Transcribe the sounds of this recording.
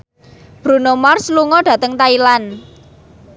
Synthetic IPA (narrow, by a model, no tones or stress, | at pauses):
b̥ɾṳnomarsluŋɔɖ̥ä̤t̪əŋt̪ailan